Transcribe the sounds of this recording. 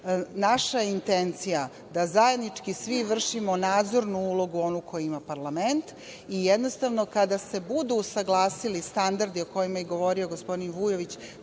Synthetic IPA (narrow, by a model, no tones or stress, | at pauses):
naʃajeint̪ent̪sija | d̪azaje̞d̪nit͡ʂkisʋiʋr̩ʃimonaːd̪zo̞ɾnuulˠo̞ɡuo̞nukʰo̞jiimapaɾlˠament̪ | ijed̪no̞st̪aʋno̞kad̪ase̞bud̪uːsaɡlˠaːsilist̪and̪aɾd̪io̞ko̞jimajeɡo̞ʋo̞ɾio̞ɡo̞spo̞d̪inʋujo̞ʋit͡ɕ